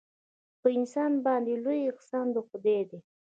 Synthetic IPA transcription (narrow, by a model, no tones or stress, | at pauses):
pəɪnsɑnbɑnd̪elojɪqsɑnd̪əxʊd̪ed̪e